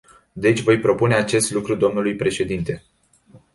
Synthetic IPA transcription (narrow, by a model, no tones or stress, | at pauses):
d̪e̞t͡ʃʲvojpɾo̞pune̞at͡ʃe̞st̪lukɾud̪o̞mnulujpɾe̞ʃe̞d̪int̪e̞